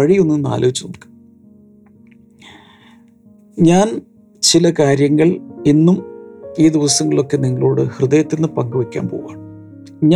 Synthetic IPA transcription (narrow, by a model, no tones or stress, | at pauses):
ɐɻionːɨna̰ːloʋit͡ɕːunonkː | ɲaːn | t͡ɕilɐkaːɾjɐŋːɐɭinːumiːd̪iʋɐsɐŋːɐɭo̞kːe̞niŋːɐɭoːɽɨhrɨðɐjɐt̪ːinːɨpɐŋɡɐʋɐkʲːa̰ːnpoːuɣaːɳ | ɲa